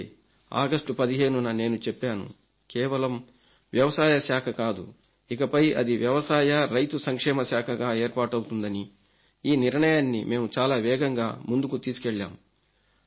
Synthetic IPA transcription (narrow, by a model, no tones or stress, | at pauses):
a̰ːɡɐsʈupɐd̪iɦe̞ːnunɐne̞ːnut͡ʃepːaːnṵ | kɛːʋɐlɐm | ʋjɐʋɐsaːjɐsjaːkʰɐkaːd̪ṵ | ikɐpɐjɐ̰d̪iʋjɐʋɐsaːjɐɾɐjt̪usɐŋkʂɛːmɐsaːkʰɐɡaːeːɾpaːʈɐwt̪und̪ɐni | iːniɾɳɐjaːnːḭme̞ːmut͡ʃaːlaːʋɛːɡɐŋɡa̰ːmund̪ukut̪iːsi̥kɛɭːa̰ːm